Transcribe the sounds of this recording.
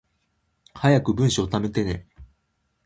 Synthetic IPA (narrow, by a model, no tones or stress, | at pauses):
hajakɯ̟bɯ̟̃ɰ̃ɕiot̪ame̞t̪e̞ne